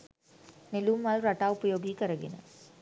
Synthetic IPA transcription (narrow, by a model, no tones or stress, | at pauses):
neluːmʋalɾaʈaːupəjoːɡiːkəɾəɡḛnə̰